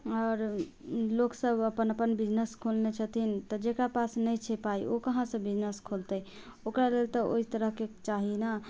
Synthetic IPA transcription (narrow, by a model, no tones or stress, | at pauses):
ɔɾ | loksəbəpənəpənbid͡ʒnəskʰolnet͡ʃʰət̪ʰint̪ɔd͡ʒekɾapasnəjt͡ʃʰepaiokəɦãsə̃bid͡ʒnəskʰolt̪əj | okɾalelt̪ɔo̰ɦit̪əɾəɦket͡ʃaɦina